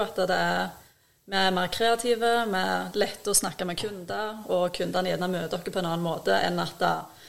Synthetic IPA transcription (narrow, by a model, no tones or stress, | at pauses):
ɑt̪ːd̪ɛæʁ | mɛæmeːʁkʰɾeːɑt̪ʰiːʋəmɛɾlɛt̪ːəɔsnɑkːamɛkʰʉnd̪əɾɔkʰʉnd̪əʁnɛːd̪nɑmøːd̪ɔkːəpʰɔɛnɑːnnmoːt̪əʔɛ̰nːɑt̪ɑ